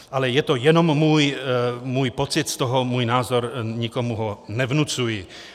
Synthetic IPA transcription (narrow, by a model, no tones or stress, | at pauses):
ʔalɛjɛt̪ojɛno̞mːuːjmuːjpot͡sɪt̪st̪oɦomuːjnaːzo̞ɾɲɪko̞muɦonɛvnut͡sujɪ